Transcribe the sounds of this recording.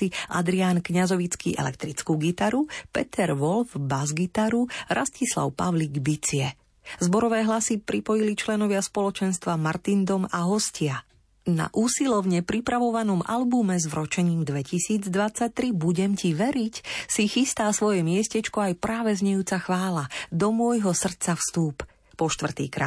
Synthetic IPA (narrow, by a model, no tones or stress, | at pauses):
iʔa̰d̪ɾiankɲazɔʋit͡skḭːʔɛ̰lɛ̰kt̪ɾit͡skuːɡit̪aɾupɛ̰t̪ʰɛɾʋɔlvbazɡit̪aɾuɾʔascisla̰ʊpaʋliːɡbit͡siɛ | zbɔɾɔʋɛːɦlasipɾipɔjilit͡ʃlɛnɔʋɪaspɔlɔt͡ʃɛnst̪ʋamaɾt̪ind̪ɔmaɦɔscɪa | na̰ʔuːsilɔʊɲɛpɾipɾaʋɔʋanɔma̰lbumɛzʋɾɔt͡ʃɛɲiːmd̪ʋɛcisiːd͡zd̪ʋat͡sac̚t̪ɾibuɟɛmciʋɛɾicsixist̪aːsʋɔjɛmɪɛscɛt͡ʃkɔajpɾaːʋɛzɲɛjuːt͡saxʋaːlad̪ɔmʊɔjɦɔsr̩t̪t͡safst̪uːp | pɔʃt̪ʋr̩t̪ḭːkɾa̰ː